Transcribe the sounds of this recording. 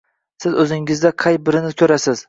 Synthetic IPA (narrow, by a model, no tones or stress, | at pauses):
sɪzɵzɪŋɪzd̪aqʰɑjbɪɾɪnɪkʲʰɵɾasɪz̥